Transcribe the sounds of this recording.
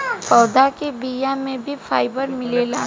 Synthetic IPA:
pɔːd̪akebijamẽbʱifʰaːɪbəɾmɪleːlaː

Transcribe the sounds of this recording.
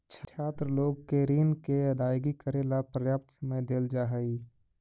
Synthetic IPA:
t͡ʃʰaːt̪ɾəloːɡkeɾiːnkeɐd̪aːjɡikəɾeːlapɾəjaːp̚t̪səməjd̪eːld͡ʒaːɦəiː

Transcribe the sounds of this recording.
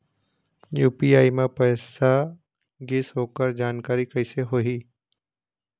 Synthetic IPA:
juːpiaːimẽpɛːsa | ɡɪsɦoːkəɾd͡ʒaːnkaːɾikəɪseɦoiː

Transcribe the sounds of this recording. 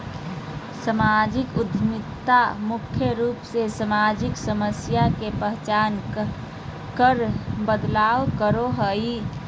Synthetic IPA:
səmaːd͡ʒɪkʊd̪ʱmɪkt̪amʊkʰjəɾuːpsesəmaːd͡ʒɪksəməsjakepəɦt͡ʃaːn | kəɾbəd̪laːwkəɾoɦəi

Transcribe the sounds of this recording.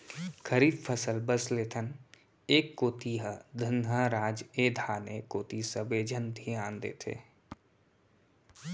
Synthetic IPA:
kʰəɾiːbpʰəsəlbəsleːt̪ʰən | eːkːoːt̪iɦəd̪ʱənɦaɾaːd͡ʒeːd̪ʱaːnekoːt̪isəbeːd͡ʒʱənd̪ʱiãːnd̪ḛːt̪ʰḛː

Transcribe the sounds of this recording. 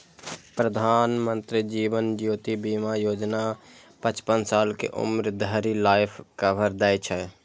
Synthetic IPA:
pɾəd̪ʱaːnmə̃nt̪ɾid͡ʒiːʋənd͡ʒjoːt̪ibiːmajoːd͡ʒna | pət͡ʃpənsaːlkḛʔʊ̰mɾd̪ʱəɾilaːɪpʰkabʱəɾd̪ɛjt͡ʃʰɛ

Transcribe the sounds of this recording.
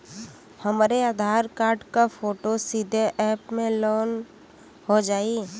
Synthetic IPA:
həmɾead̪ʱaːɾkaːɾɖkafʰoːʈosɪd̪ʱːeʔɛːpmẽloːn | ɦod͡ʒaːi

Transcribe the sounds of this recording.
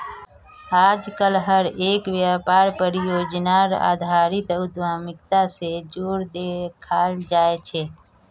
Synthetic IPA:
aːd͡ʒkəlɦəɾeːkʋjaːpaːɾpəɾjoːd͡ʒnaːɾa̰ːd̪ʱaːɾɪt̪ʊd̪ʋaːmɪkt̪ased͡ʒoːɾd̪eːkʰaːld͡ʒaːet͡ʃʰeː

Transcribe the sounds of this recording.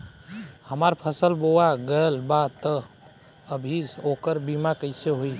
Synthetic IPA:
həmaɾpʰəsəlboaɡəelbat̪ə | əbʱizokəɾbimakəɪseɦoi

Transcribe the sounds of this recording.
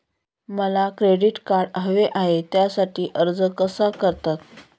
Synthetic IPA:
məlakɾeɽiʈkaɾɖɦəʋeʔaɦet̪jasaʈʰiːʔəɾd͡zəkəsakəɾt̪at̪̚

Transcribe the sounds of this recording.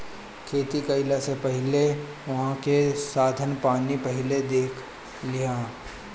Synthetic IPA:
kʰeːt̪ikɐɪlasepɛɦɪle | ʋɐɦãkesaːd̪ʱənpaːnipɐɦɪled̪eːkʰ | lɪjãː

